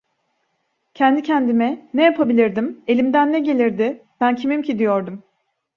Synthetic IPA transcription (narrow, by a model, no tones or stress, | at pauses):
cʰɛnd̪icʰɛnd̪imɛnɛjapʰabilʲiɾd̪ime̞lʲimd̪ænːɛɟe̞lʲiɾd̪ɪb̥æncʰimimcʰid̪ijoɾd̪um